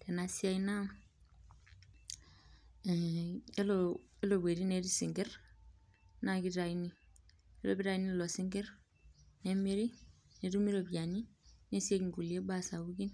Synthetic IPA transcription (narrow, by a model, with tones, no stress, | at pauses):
te˨nasi˦aina | e˦loe˦lo˨be˨ɾi˦ne˦disi˨ŋɡeɾ | na˦ɡi˦ta˨jini | e˦lo˦bi˦ɾa˦jini˦lo˨siŋɡeɾ | nemi˦ɾi˦ | ne˨du˦mi˦lo˨biɟa˨ni˦ne˦si˦e˦kiŋɡu˨lie˦ba˦sa˨buɡi˦n